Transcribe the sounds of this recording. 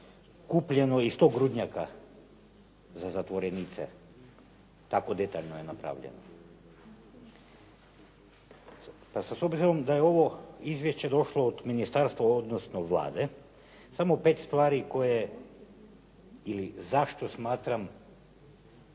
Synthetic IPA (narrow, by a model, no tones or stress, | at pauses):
kupʎenoist̪oɡɾud̪ɲaka | zazat̪ʋoɾenit̪sḛ | t̪akod̪et̪aʎnojenapɾa̰ːʋʎḛno̰ | pasasobziɾomd̪ajeo̞ʋoizʋjeʃt͡ɕed̪o̞ʃlˠoːd̪minist̪aɾst̪ʋaod̪nosnoʋlˠa̰ːd̪e | samopet̪st̪ʋaːɾiko̞je | ilizaʃt̪osmaːt̪ɾam